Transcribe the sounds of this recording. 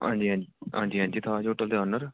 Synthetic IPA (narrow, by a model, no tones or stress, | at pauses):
ɦã̰ːɲd͡ʒiːɦãːd͡ʒiɦã̰ːɲd͡ʒiːɦãːɲd͡ʒiːt̪ʰaːd͡ʒoːʈəld̪eaːnəɾ